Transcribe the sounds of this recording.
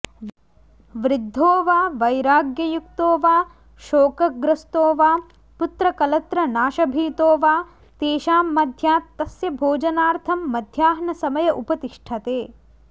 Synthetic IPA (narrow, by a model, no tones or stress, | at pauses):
ʋɾɪd̪ʱːoːʋaːʋɐjɾaːɡjɐjukt̪oːʋaː | ʃoːkɐɡɾɐst̪oːʋaː | put̪ɾɐkɐlɐt̪ɾɐnaːʃɐbʱiːt̪oːʋaː | t̪eːʃaːmːɐd̪ʱjaːt̪ːɐsjɐbʱoːd͡ʒɐnaːɾt̪ʰɐmːɐd̪ʱjaːɦnɐsɐmɐjɐʔupɐt̪iʂʈʰɐt̪eː